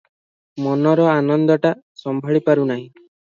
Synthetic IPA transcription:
mɔnɔɾɔanɔnd̪ɔʈasɔmbʱɔɭipaɾunaɦĩ

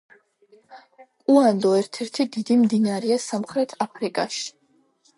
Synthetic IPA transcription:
kʼuand̪ɔɛɾt̪ʰɛɾt̪ʰid̪id̪imd̪inaɾɛasamχɾɛt̪ʰapʰɾikʼaʃi̥

